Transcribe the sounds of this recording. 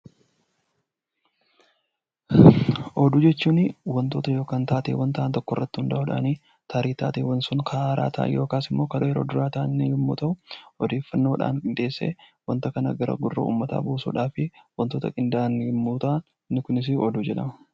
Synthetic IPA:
ʔɔd̪ud͡ʒɛt͡ʃːuːnɪwɐnt̪o̞ːt̪ɐjo̞ːkaːnt̪aːt̪ḛːwɐnt̪ɐːnt̪ɔkːɔrːɐt̪ːɪhʊnd̪ɐʔʊᶑa̰niː | t̪ʰaːɾiːt̪a̰ːt̪eːwɐnsʊŋkʰaːɾa̰ːt̪ʰa̰ːjo̞ːkaːsɪmːo̞ːkɐjɛɾo̞ːd̪ʊɾaːt̪aːnːɪɡɪmːṵːt̪ɐʔʊɔd̪e̞ːfːɐnːoːᶑa̰ːŋkʼɪnd̪e̞ːsːḛːwɐnt̪ɐkɐnɐ̰ɡɐɾɐ̰ɡʊrːɐ̰ṵːmːɐt̪a̰ːbuːsṵːᶑaːfɪwɐnt̪oːt̪ɐkʼɪnd̪aːnɡɪmːuːt̪aːn | nːɪkʊnɪs̬ɪɔd̪ud͡ʒɛᶑɐmɐ

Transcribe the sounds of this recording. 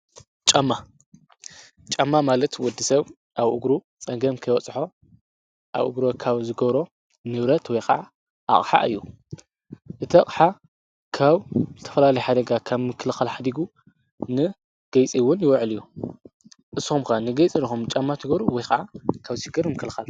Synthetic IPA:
t͡ʃʼamːa | t͡ʃʼamːamalɐt̪wɔd̪ːisɐβ | ʔaβʔuɡɾu | t͡sʼɐŋɡɐmkʰɐjwɔt͡sʼħo̞ | ʔa̰βʔṵɡɾokʰaβzɨɡɐβɾo̞ | nɨβɾɐt̪wɔjkʰɐʕa | ʔa̰χʼħa̰ʔɨ̰jːu | ʔɨt̪ʰɐkʼħa | kʰaβzɨt̪ʰɐ̥fɐlalɐjħad̪ɐɡakʰaβmɨkʰːɨlɨxalħad̪iɡu | nɨ | ɡ̥ɐjt͡sʼiwʊnjɪwʕlijːu | ʔɨsxumkanɨɡɐjt͡sʼinixumt͡ʃʼamːat̪ʰɨɡɐβɾuwɔjkɐʕakʰaβʃɪɡɨɾmɨkʰːɨlxal

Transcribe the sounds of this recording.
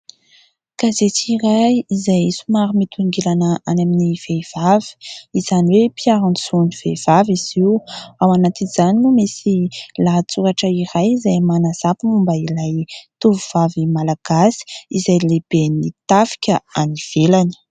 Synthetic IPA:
kazet͡siɾajizajisumaɾimit̪ʰuŋɡelanəanaminiv̥ev̥avi̥iz̥aniwepiaɾanisuniv̥ev̥aviz̥iwawanat̪iniz̥aninumesilaɦt͡suɾaʈ͡ʂəiɾajizajmanaz̥apimumbailajt̪uvuv̥avimalaɡ̥asi̥izajleb̥enit̪afi̥kʲəaniv̥elanə̥

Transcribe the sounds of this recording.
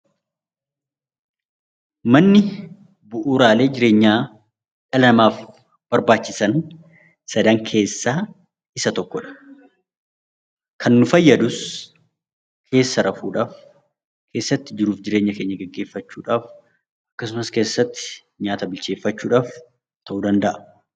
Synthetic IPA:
mɐnːɪ | bʊʔuːɾaːle̞ːd͡ʒɪɾe̞ːɲːaː | ᶑɐlɐɐmaːf | b̥ɐɾbaːt͡ʃːɪsɐn | sɐd̪ɐŋkʰe̞ːsːaː | ɪsɐt̪ɔkːɔᶑɐ̥ | kʰɐnːʊfɐjːɐd̪ʊs | kʰe̞ːsːɐɾɐfuːᶑaːf | kʰe̞ːsːɐt̪ːɪd͡ʒɪɾuːfd͡ʒɪɾe̞ːɲːɐkeːɲːɐɡɛɡːe̞ːfːɐt͡ʃːṵːᶑaːf | ʔɐ̥kːɐsʊmɐske̞ːsːɐt̪ːɪ̥ | ɲaːt̪ɐbɪlt͡ʃe̞ːfːɐt͡ʃːuːᶑaːf | t̪ʰɐʔuːd̪ɐnd̪ɐʔɐ

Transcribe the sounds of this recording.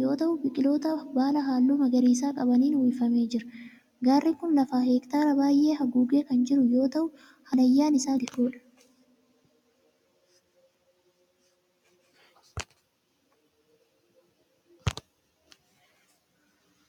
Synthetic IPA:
jo̞ːt̪ɐʔʊbɪkʼɪlo̞ːt̪ɐbaːlɐɦaːlːuːmɐɡɐɾiːs̬aːkʼɐbɐniːnwifɐme̞ːd͡ʒɪɾɐ̥ | ɡaːrːikʊnlɐfaːɦeːkt̪aːɾɐbaːjʔːe̞ːɦɐɡuːɡe̞ːkɐnd͡ʒɪɾʊjo̞ːt̪ɐʔʊ | hɐnɐjːaːnɪsaːd̪ɪkoːᶑɐ̥

